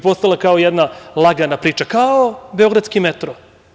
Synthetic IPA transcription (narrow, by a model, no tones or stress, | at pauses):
po̞st̪alˠakaojɛd̪nalˠaɡanapɾiːt͡ʃakaobeo̞ɡɾat̪skimet̪ɾo